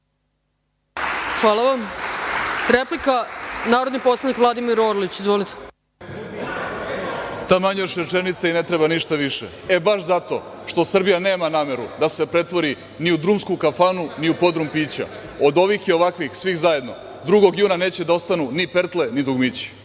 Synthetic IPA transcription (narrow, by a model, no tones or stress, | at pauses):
xʋaːlˠaʋam | ɾeplikanaːɾod̪nipot̪slanikʋlˠad̪imiɾoɾlit͡ɕizʋolit̪e̥ | t̪amaɲoʃɾe̞t͡ʂe̞nit̪saine̞t̪ɾebaniʃt̪aʋiʃḛ | e̞baʃzat̪o̞̰ | ʃt̪o̞sr̩bijane̞ːmanaːme̞ɾud̪ase̞pɾe̞t̪ʋo̞ɾi | niud̪ɾumskukafanuniupo̞d̪ɾumpiːt͡ɕa̰ | od̪o̞ʋixjio̞ʋakʋixsʋixzaje̞d̪no̞ | d̪ɾuɡo̞ɡjuːnane̞ːt͡ɕed̪ao̞st̪anunipeɾt̪le̞nid̪uɡmit͡ɕi̥